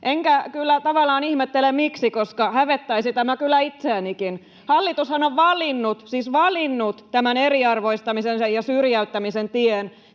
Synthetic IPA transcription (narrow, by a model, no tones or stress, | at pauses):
ʔeŋkækylːæt̪ɑʋɑlːˑɑːnihmet̪ːelemmiksikoskɑhæʋet̪ːæisit̪æmækylːˑæit̪seænikin | hɑlːit̪ushɑnoʋʋɑlinːut̪siːsʋɑlinːut̪t̪æmæneriɑrʋoist̪ɑmisensejɑsyrjæyt̪ːæmisent̪ien